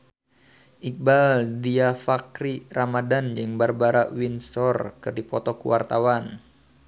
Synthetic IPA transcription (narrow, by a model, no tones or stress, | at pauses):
ʔik̚baldiafakɾiramadand͡ʒɨŋbarbaɾawinsɔrkɨrdipɔt̪ɔkṵwa̰rt̪awan